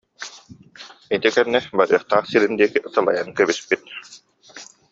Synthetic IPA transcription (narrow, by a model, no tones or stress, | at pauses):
it̪ikɛnːɛbaɾɯ̰ɐχt̪aːχsiɾind̪iɛkiʔt̪ɯlˠa̰jankɛβispit̪̚